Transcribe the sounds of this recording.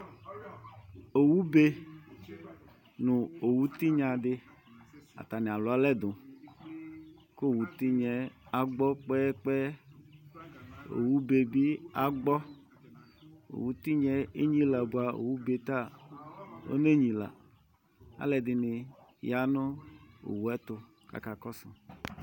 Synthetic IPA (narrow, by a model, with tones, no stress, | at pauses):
o˨wu˦be˦ | nũ˨o˨wu˦t̪i˦ɲã˨ɖe˦ | a̰˨t̪a˨nẽ˨a˨lo˨˦a˦lɛ˦d̪õ˨ | ko˦˨wu˨t̪i˦ɲɛ̃˨˦a˨ɡ͡bɔ˦k͡pɛ˦k͡pɛ˦ | o̰˨wu˦be˨bi˦a˨ɡ͡bɔ˦ | o̰˨wu˨˦t̪i˦ɲɛ˦e˦ɲĩ˦la˨bu˦a˨o̰˨wu˦be˨t̪a˦˨ | o̰˦ne˦ɲĩ˨la̰˨ | a̰˨lɛ˨d̪ɪ˨nɪ˨ja˨nõ˦o̰˨wu˨˦ɛ˦t̪o˦ | ka̰˦ka˨kɔ˦sɔ̰˨